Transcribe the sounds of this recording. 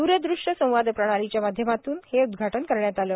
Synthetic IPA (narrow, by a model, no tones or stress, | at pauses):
d̪uːɾəd̪ɾuʂʈəsə̃w̃ʋad̪pɾəɽ̃aɾit͡ɕjamad̪ʱjəmat̪uːnheud̪ɡʱaʈənkəɾɳjat̪aləː